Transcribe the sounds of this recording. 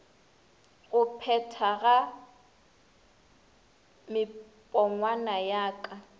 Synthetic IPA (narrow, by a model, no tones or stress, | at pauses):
ɣʊpʰɛtʰaɣa | mɪ | pʼɔŋwanajaːkʼa